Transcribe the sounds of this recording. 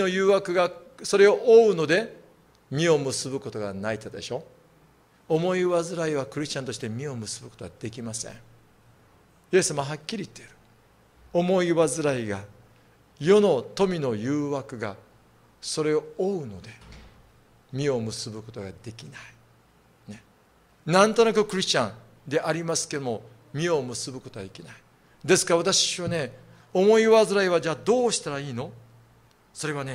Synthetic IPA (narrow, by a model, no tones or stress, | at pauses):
ojɯːβakɯ̟ɡaso̞ɾe̞o̞ʔoɯno̞d̪e̞ | mʲio̞mɯ̟sɨbɯ̟ko̞t̪o̞ɡanait̪ad̪e̞ɕo̞ː | omo̞iβazɨɾaiβakɯ̟ɾʲiɕt͡ɕãnt̪o̞ɕi̥t̪e̞mʲio̞mɯ̟sɨbɯ̟ko̞t̪o̞ad̪̥e̞kʲimasḛ̃ŋ | je̞sːamaaɦakʲːiɾʲiːt̪ːeiɾɯ̟̥ | omo̞iβazɨɾaiɡa | jo̞no̞t̪o̞mʲino̞jɯːβakɯ̟ɡa | so̞ɾe̞ooɯ̟no̞d̪e̞ | mʲio̞mɯ̟sɨbɯ̟ko̞t̪o̞ɡad̪e̞kʲinai | ne̞ | nãnt̪o̞nakɯ̟kɯ̟ɾʲiɕt͡ɕãn | d̪e̞ʔaɾʲimasɨ̥ke̞d̪omo̞ | mʲio̞mɯ̟sɨbɯ̟ko̞t̪o̞ad̪e̞kʲinai | d̪e̞sɨ̥kaɾaβat̪aɕiβane̞ | omo̞iβazɨɾaiβad͡ʑaːd̪o̞ːɕi̥t̪aɾaiːno̞ | so̞ɾe̞βane̞